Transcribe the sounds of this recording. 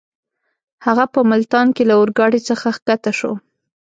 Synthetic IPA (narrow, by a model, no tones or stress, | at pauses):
haɣapəmɪlt̪ɑnkelaʊɾɡɑɽit͡səxaxkat̪aʃo̰